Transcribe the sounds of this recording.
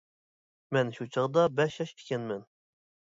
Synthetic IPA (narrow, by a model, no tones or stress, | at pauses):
mɛnʃut͡ʃʰɑʁd̪ɑbɛʃjɑʃi̥kʲɛnmɛn